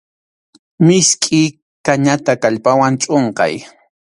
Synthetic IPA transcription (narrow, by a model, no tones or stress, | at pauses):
mɪskʼɪ | kaɲat̪akaʎpawant͡ʃʼoɴqɑ̰j